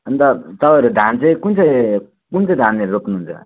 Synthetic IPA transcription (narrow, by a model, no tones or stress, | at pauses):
ʌnt̪ʌt̪ʌpajɾud̪ʱant͡sʌ̃j̃kunt͡sʌj | kunt͡sʌjd̪ʱanːeɾopnuɦunt͡sʰʌ̰